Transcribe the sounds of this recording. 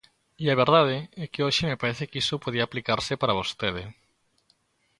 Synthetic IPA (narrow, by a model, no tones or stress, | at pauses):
iaβ̞eɾðað̞eɛkeoʃemepaɾɛθekisopoð̞iaːplikaɾsepaɾaβ̞ost̪eð̞e